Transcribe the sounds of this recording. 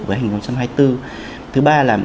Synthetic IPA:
vəː˨˦jha˨˩ŋ̟ho˧˦wŋ͡mt͡ɕa˧mɦaː˧jt̪ɨ˧ | t̪ʰɨ˨˦ɓaː˧laː˨˩m

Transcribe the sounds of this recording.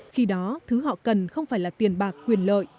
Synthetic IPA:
xi˧ɗɔ˨˦t̪ʰɨ˨˦ɦɔ̰˧˨kə˨˩nxə˧wŋ͡mfaː˧˩jlaː˨˩t̪i˨˩ənɓaː˨˩kːwi˨˩ənlə̰ː˧˨jʔ

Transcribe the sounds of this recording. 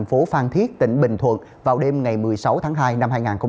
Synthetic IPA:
nfo˨˦faː˧nt̪ʰi˦˥ət̚t̪ḭ˧˩ŋ̟ɓï˨˩ŋ̟t̪ʰwə̰˧˨n | vaː˨˩wɗe˧mŋa˨˩jmɨ˨˩əjsa˨˦wt̪ʰaː˨˦ŋɦaː˧jna˧mhaː˧jŋaː˨˩nxə˧ŋ͡m

